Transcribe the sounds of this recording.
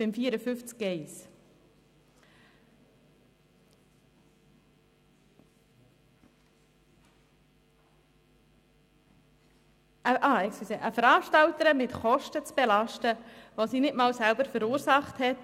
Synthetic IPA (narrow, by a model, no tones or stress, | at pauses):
bɪmfiːəɾəfʏft͡skɛɪs | əʔɑːɛksiseʔəfəɾɑːʃtɑltəɾəmɪtχɔʃtət͡sb̥ɛlɑʃtəʋosiːnɪtmɑːlsælbəɾfəɾuːɾsɑχthɛt